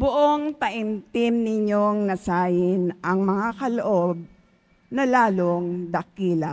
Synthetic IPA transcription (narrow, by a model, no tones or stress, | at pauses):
bʊʔoŋt̪ɐʔɪnt̪ɪmnɪɲoŋnɐsaːjɪnʔɐŋmɐŋakɐloʔo̞b̚ | nɐlaːloŋd̪ɐkiːlɐ